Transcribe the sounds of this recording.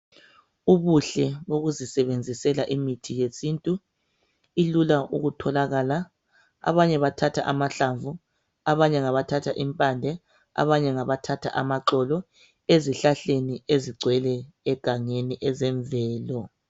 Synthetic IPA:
uβuɬɛβoɣuzisɛβend͡zʱisɛlaʔimitʰijesintʼu | ilulaʔṵɣutʰɔlaɣaːla | a̰βaɲɛβatʰatʰaʔamaɬaɱvu | a̰βaɲɛŋaβatʰatʰaʔimpʼandʱɛ | a̰βaɲɛŋaβatʰatʰaʔamaǁɔlɔ | eziɬaɬenieziɡ͡ǀʱwɛlɛːɡ̥ʱaŋeniʔɛzɛɱvɛːlɔ

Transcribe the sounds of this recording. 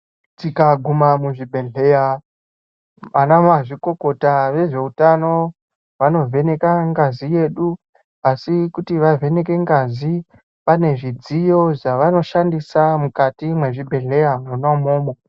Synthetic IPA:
tikaɡʱumamuʐibʱeɮe̞ja | ʋanamaʐiko̞ko̞taʋe̞ʐe̞utano̞ | ʋano̞vʱe̞ne̞kaŋɡazije̞ːɗu | asikutiʋavʱe̞ne̞ke̞ŋɡazi | pane̞ʐid͡zijo̞ʐaʋano̞ʃandisamukatimwe̞ʐibʱe̞ɮe̞jamunamoːmo

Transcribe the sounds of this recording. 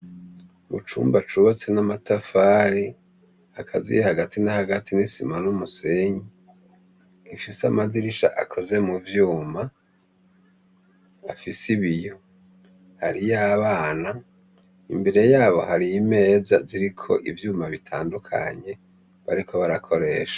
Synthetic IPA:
mut͡ʃṵːmbat͡ʃuβat͡se̞namatafaːɾi | hakʰazḭjhaɡatinahaɡatinisḭmanumuse̞ɲi | kifisamaziɾiʃa̰ʔakʰo̞ze̞muvjuːma | afisiβijo̞ | haɾijaβaːna | imbe̞ɾe̞jaːβo̞haɾijime̞ːzaziɾikʰo̞̰ʔivjuːmaβitʰaːndukʰa̰ɲe̞ | βaɾikʰo̞βaɾakʰo̞ɾe̞ːʃḁ

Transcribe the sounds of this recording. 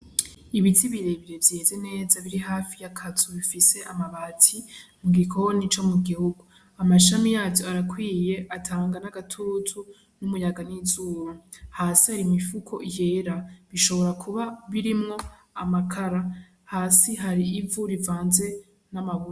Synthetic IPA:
iβitiβiɾe̞βiɾe̞vjeːze̞ne̞ːzaβiɾiɦaːfijakʰatʰuβifise̞ʔamaβatʰi | ŋɡikʰohonit͡ʃo̞muɡihuɡu | amaʃamijaːtoaɾakwiːje̞ʔatʰaːŋɡanaɡatʰutʰu | numujaɡanizuːɾohaːsihaɾimifukʰo̞̰je̞ːɾaβiʃo̞βo̞ɾakʰuβaβiɾimŋo̞ | amakʰaɾa | haːsiɦaɾiːvuɾivaːnze̞ | namaβuɾa

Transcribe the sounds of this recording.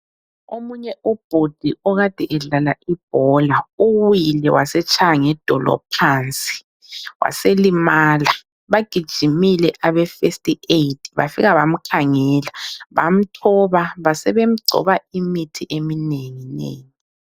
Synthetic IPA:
omuɲɛʔub̥ʱod̥ʱiɔɣad̥ʱɛʔɛɮalaib̥̚ʱɔlauwilɛwasɛt͡ʃʰʼaaŋɛd̥ʱɔlɔ̰pʰant͡sʼi̥ | wa̰selimaːla | βaɡ̥ʱid̥ʒ̥ʱimilɛʔaβɛfestʼietʰiβa̰fiɣaβam̩kʰaŋɛlaβa̰m̩tʰɔβaβasɛβem̩ɡ͡ǀʱɔ̰βaimitʰiʔemineŋinḛːŋi

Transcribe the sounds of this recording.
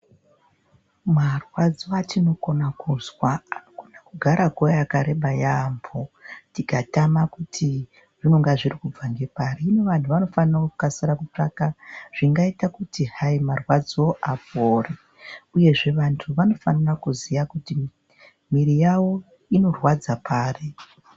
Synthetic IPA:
marwad͡zoatino̞konakuzwaːnoɡʱonakuɡʱaɾakojakaɾeɓajaːmbotikatamakutʰi | ʐino̞ŋɡaʐirikub͡vaŋɡe̞paɾiːneʋantʰuʋano̞fanirakukasiɾakut͡ʂakaʐ̥iŋɡaitakutihaimarwad͡zoʔapoːre | uje̞ʐe̞ʋantʰuʋano̞fanirakuzijakuti | miɾijawo̞ | ino̞rwad͡zapʰaːre

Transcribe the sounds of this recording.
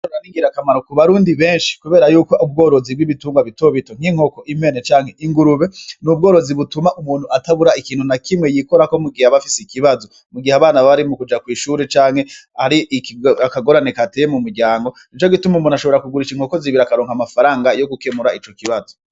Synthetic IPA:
ʃoaɾiːŋɡiɾakamaɾokuβaɾuːndiβe̞ːnʃi̥kuβe̞ːɾajuːko̞ʔub̚ɡo̞ːɾo̞zibɡiβituːŋɡwaβitoβito̞ŋ̥hiŋ̥ho̞ko̞ʔime̞net͡ʃaːŋhe̞ʔiŋɡuɾuβe̞nub̚ɡoːɾo̞ziβutumaʔumuːn̥huataβuɾaikiːn̥hunakʰimŋejiko̞ɾako̞muɡihaβafisekiβazo̞ | muɡihaβaːnaβaβaɾimukud͡ʒakwiːʃuɾet͡ʃaːŋhe̞aɾiʔkakaɡo̞ɾanekatejemumuɾɟaːŋɡo̞nit͡ʃo̞ɡitumumunaʃo̞βe̞ɾakuɡuɾiʃiŋ̥ho̞koziβiɾakaɾo̞ːŋhamafaɾaːŋɡajo̞ɡukemuɾait͡ʃo̞kiβazo

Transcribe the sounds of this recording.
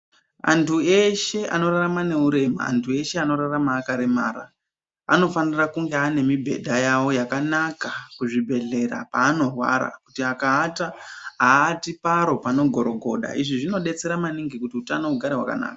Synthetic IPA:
a̰ntʰue̞ʃe̞a̰no̞raramane̞uɾe̞ma̰a̰ntʰue̞ʃe̞ano̞ɾaramaːkaɾemaːɾa | a̰no̞fanirakuŋɡeane̞mibʱe̞̰dʱajawo̞jakanakakuʐibʱe̞ɮe̞ɾa̰paːno̞rwa̰ɾa̰kutiakaːtaɦaːtipaɾo̞pano̞ɡʱo̞ɾo̞ɡʱo̞̰ɗa̰iʐiʐino̞ɗe̞t͡se̞ɾamaniŋɡikutiutanouɡʱaɾeɦwa̰ka̰na̰ːka

